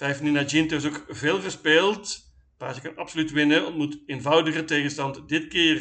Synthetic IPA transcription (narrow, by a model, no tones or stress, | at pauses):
tɛfninad͡ʒintøsokveːlˠɣəspeːlˠt | paːsəkɑnɑpsolytʋɪnəɔ̰ntmuteːnvʌwdəɣəteːɣənstɑntdɪtkɪːr